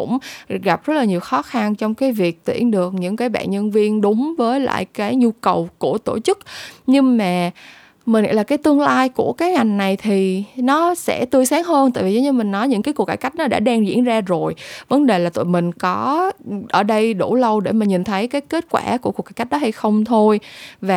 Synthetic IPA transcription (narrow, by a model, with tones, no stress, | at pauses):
kʊ̰˧˥ŋ͡mɣa˨˩p̚zə˦˥t̚laː˨˩ɲi˨˩wxɔ˨˦xa˧nt͡ɕɔ˧wŋ͡mkaː˨˦jvi˨˩ək̚t̪wḭ˧˩ənɗɨ˨˩ək̚ɲɨ̰˧˥ŋkaː˨˦jɓa̰ː˧˨nɲə˧nvi˧ənɗʊ˨˦ŋ͡mvəː˨˦jla̰ː˧˨jkaː˨˦jɲu˧kə˨˩wku˧˩t̪o˧˩t͡ɕɨ˦˥k̚ɲɨ˧ŋmaː˨˩ | mi˨˩ḭ˧˥˩laː˨˩kaː˨˦jt̪ɨ˧əŋlaː˧jku˧˩əkaː˨˦jŋa˨˩jŋ̟na˨˩jt̪ʰi˨˩nɔ˨˦sɛ̰˧˥t̪ɨ˧əjsaː˨˦ŋhəː˧nt̪a̰ː˧˨vi˨˩zə˨˦ɲɨ˧mï˨˩ŋ̟nɔ˨˦jɲɨ̰˧˥ŋkaː˨˦jku˨˩ək̚ːaː˧˩jka˦˥jk̚nɔ˨˦ɗa̰ː˧˥˩ɗa˧ŋzḭ˧˥ənzaː˧zo˨˩jvə˨˦nɗe˨˩laː˨˩t̪o̰˧˨mï˨˩ŋ̟kɔ˨˦ʔəː˧˩ɗə˧jɗu˧˩lə˧wɗe˧˩maː˨˩ɲi˨˩nt̪ʰə˨˦jkaː˨˦jke˦˥t̚kwa̰ː˧˩ku˧˩kka˧˩ka˦˥k̚ɗɔ˨˦ha˧jxə˧wŋ͡mt̪ʰo˧jvaː˨˩